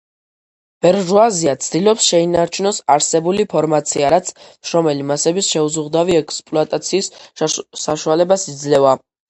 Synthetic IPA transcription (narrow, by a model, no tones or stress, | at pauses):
b̥ɛɾʒuaziat̪sʰd̪ilɔpsʃɛinaɾt͡ʃʰunɔsaɾsɛbulipʰɔɾmat̪sʰiaɾat̪sʰmʃɾɔmɛlimasɛbisʃɛuzuʁd̪aviɛkʰʼspʼlɔat̪ʼat̪sʰiːs | aʃualɛbasid̪zlɛva